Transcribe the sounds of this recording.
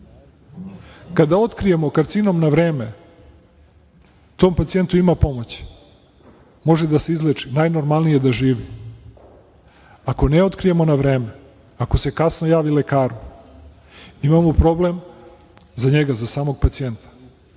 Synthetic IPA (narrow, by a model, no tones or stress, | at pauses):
kad̪ao̞t̪kɾije̞mo̞kaɾt̪sino̞mnaʋɾe̞ːme̞ | t̪o̞ːmpat̪sije̞nt̪uimapo̞mot͡ɕi̥ | mo̞ʒed̪ase̞izlˠet͡ʂinajno̞ɾmalˠnije̞d̪aʒiːʋi | ako̞neo̞t̪kɾije̞mo̞naʋɾe̞ːme | akose̞kasno̞jaːʋile̞kaːɾu | imamopɾo̞ble̞m | zaɲe̞ɡazasaːmoɡ̚pat̪sije̞nt̪ḁ